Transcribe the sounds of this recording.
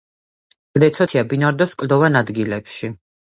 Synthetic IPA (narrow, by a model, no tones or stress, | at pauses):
d̪ɛt̪sʰɔt̪ʰiabinaɾd̪ɔskʼld̪ɔvanad̪ɡilɛpʃi